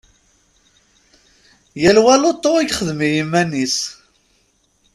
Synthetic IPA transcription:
jælwælot̪ˤːoiɡχəðmijimːænːis

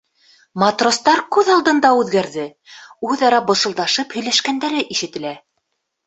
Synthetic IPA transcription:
mɑt̪rost̪ɑɾkʉðɑlˠd̪ɤ̆nd̪ɑʉðɡæɾðɘ | ʉðɑɾɑbɤ̆sɤ̆lˠd̪ɑʃɤphɵ̆jlæʃkænd̪æɾɘʔiʃɘ̆t̪ɘ̆læ

